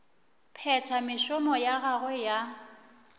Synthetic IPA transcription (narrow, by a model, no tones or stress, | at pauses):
pʰɛtʰamɪʃʊmɔjaɣaɣwɛja